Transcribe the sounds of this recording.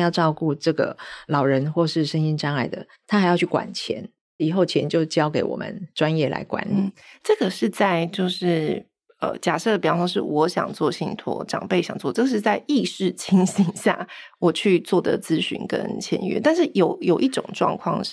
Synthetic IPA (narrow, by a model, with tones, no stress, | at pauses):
jɑ˥˧ʊʈ͡ʂɑ˥˧ʊku˥˧ʈ͡ʂɤ˥˩ɡə̰˩lɑ˨˩ʊɻə˧˦nxwɔ˥˧ʂɻ̩˥˩ʂə˥ŋi˥nʈ͡ʂa˥na˥˩ɪd̪ə̰˨ | t̪ʰa˥xɪjɑ˥˧ʊt͡ɕʰy˥˩kwa̰˨˩nt͡ɕʰjɛ̰˧˦n | i˨˩xo˥˩ʊt͡ɕʰjɛ˧˦nt͡ɕjo˥˩ʊt͡ɕjɑ˥ʊke˧˥ɪwɔ̰˨˩mə̰˧˦nʈ͡ʂwa˦njɛ˥˩la̰˧˥ɪkwa̰˧˦˥nli˨˥˦ʈ͡ʂɤ˥˩ɡə˩ʂɻ̩˥˧t͡sa˥˧ɪt͡ɕjo˥˧ʊʂɻ̩˥˩ | ə̰˧˩t͡ɕja˨˩ʂɤ˥˩d̪ə˩pjʂɑ˥ŋʂ̬ɻ̩˥˩wɔ˧˥ɕjɑ̰˨˩ŋt͡swɔ˥˩ɕi˥˩ŋt̪ʰwɔ̰˧˥˦ʈ͡ʂɑ̰˨˩ŋpe˥˩ɪɕjɑ˨ŋt͡swɔ˥˧˨ʈ͡ʂɤ˥˩ɡə˩ʂɻ̩˥˧t͡sa˥˧ɪʔi˥˧ʂɻ̩˥˩t͡ɕʰi˥ŋɕi˥ŋɕja̰˥˩wɔ˨˩t͡ɕʰy˥˧t͡swɔ˥˩d̪ə̰˩t͡sɹ̩˥ɕy̰˧˥nkə̰˥nt͡ɕʰjɛ̰˧˦nɥɛ̰˧˦t̪a˥˧nʂɻ̩˥˩jo˨˩ʊjo˨˩ʊʔi˥˩ʈ͡ʂʊ̰˨˩ŋʈ͡ʂwɑ̰˥˧ŋkʰwɑ̰˥˧ŋ